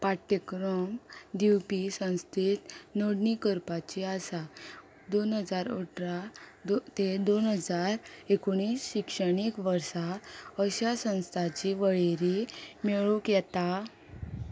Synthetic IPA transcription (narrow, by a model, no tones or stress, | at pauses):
paʈəkɾomd̪iwpisə̃w̃st̪ʰit̪noɽɳikəɾpat͡ɕiasa | d̪onɦəd͡zaɾoʈɾa | t̪ed̪onɦəd͡zaɾekoɳ̃iːsɕikʂəɽ̃ikʋəɾsaəɕasə̃w̃st̪ʰat͡ɕiʋəɭeɾimeɭukjɛt̪a